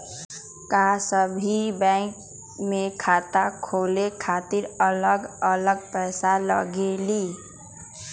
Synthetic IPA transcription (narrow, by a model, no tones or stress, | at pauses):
kasəbʱibɛ̃ŋk | mẽkʰaːt̪akʰoːlekʰaːt̪iɾələɡələɡ̚pɛːsalə̰ɡeli